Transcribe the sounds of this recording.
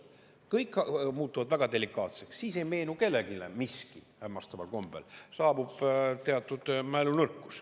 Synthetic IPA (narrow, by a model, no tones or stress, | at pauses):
kɤjkːmuːt̪ːˑuvɑd̪væɡ̥ɑd̪e̞likːˑɑːt̪se̞ksːiːse̞jme̞ːnuke̞lːe̞ɡ̥ilḛmiskihæmːɑst̪ɑmɑ̰lko̞mb̥elsɑːbub̥t̪eɑt̪ːˑud̪̥mælunɤrkːˑu̥s